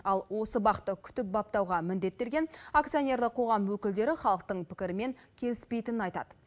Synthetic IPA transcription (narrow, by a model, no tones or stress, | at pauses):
ɑlˠwo̞səbɑqət̪ːəkʲʰʏ̥t̪ɪp̚bɑp̚t̪ɑwʁɑmɪnd̪e̞t̪ːe̞ɾɡʲe̞nakt̪sijo̞nʲe̞ɾləqʰo̞ʁɑmwɵkʲɪld̪e̞ɾɪχɑlˠəq̚t̪əɴpʰɪ̥kʲɪɾɪme̞ŋkʲʰe̞lɪspe̞jt̪ɪnɪnɑjt̪ɑ̰d̪ə